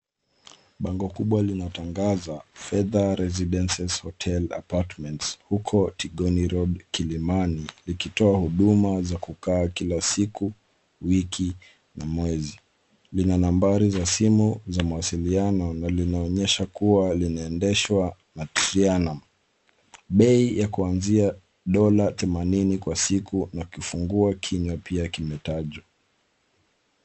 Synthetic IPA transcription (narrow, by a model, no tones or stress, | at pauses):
ɓaŋɡɔkuɓwalinataŋɡazafɛðaɾɛziɗɛnsɛshɔtʰɛla̰patmɛntshukʰɔtʰiɠɔniɾɔɗkilimanilikitɔahuɗumazakukaːkilasiku | wikʰi | namwɛzi | linanambaɾizasimuzamawasilianɔnalinaɔɲɛʃakuwalinaɛndɛʃwa | nḁɾianam | ɓɛijakuanzia | ɗɔlaθɛmaninikwasikunakufuŋɡuakʰiɲapiakimɛtaʄwa